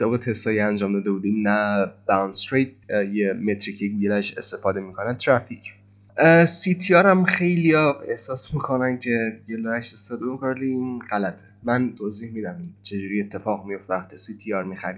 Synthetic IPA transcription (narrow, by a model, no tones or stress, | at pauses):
sebet̪ʰe̞st̪ʰɒːjiænd͡ʒɒːmd̪ɒːd̪ebuːd̪iːmnæb̥æwnst̪ɾejt̪̚jemet̪ʰɾicʰeɡielæʃe̞̰st̪e̞fɒːd̪e̞miːkʰonæt̪ʰːɾæfikʰ | sit̪ʰiɒːɾæmxe̞jlijɒe̞hsɒːsmikʰo̞næncʰe̞ɡeloɾæʃest̪ɒːd̪emikʰoɾlinɢælæt̪ʰe̥mænt̪ʰoziːhmiːd̪æmint͡ʃʰe̞d͡ʒuːɾiːe̞t̪ʰːe̞fɒːɣmijo̞ft̪æxt̪ʰisit̪ʰiɒɾmixæɾi